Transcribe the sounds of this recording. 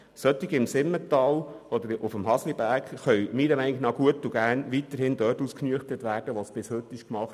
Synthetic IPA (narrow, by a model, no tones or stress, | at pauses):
sœt̪ɪɡɪmsɪmːətɑːl | ɔd̪əɾʔufəmɦɑslibæɾkχœɥmiːɾəmɛɪnɪɡnɑɡ̥uətuɡæːɾnʋitəɾhɪndœːtuːsknyəχtətʋæːɾd̥əʋɑsb̥ɪshɵt̪ːɪʃkmɑχt